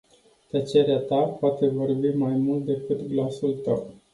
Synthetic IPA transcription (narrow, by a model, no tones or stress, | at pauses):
t̪ət͡ʃe̞ɾeat̪apoat̪e̞vo̞rbimajmult̪̚d̪e̞kɨt̪ɡlasult̪a̰w